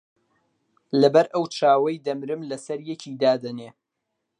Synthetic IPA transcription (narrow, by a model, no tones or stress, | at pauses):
lɐbɐɾʔɐwt͡ʃʰaːwɐjd̪ɐmɾɨmlɐsɐɾjɛcʰiːd̪aːd̪ɐneː